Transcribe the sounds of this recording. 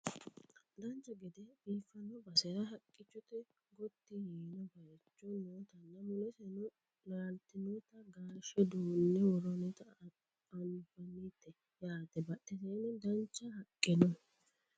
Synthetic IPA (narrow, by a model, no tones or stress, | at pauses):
d̪ɐnt͡ʃːɐɡɛd̪ɛbiːfɐnɔbɐsɛɾɐɦɐkʼːɪt͡ʃːɔt̪ɛ | ɡɔt̪ːɪjiːnɐbɐjt͡ʃːɔnoːt̪ɐnːɐmʊlɛsɛnɔ | naːlt̪ːɪnot̪ɐɡaːʃɛd̪uːnːɛwɔɾɔnɛt̪ɐ | ɐnɪfɐnːiːt̪ːɛ | jaːt̪ɛbɐʔɛseːnɛd̪ɐnt͡ʃːɐhɐkʼːɪnɔ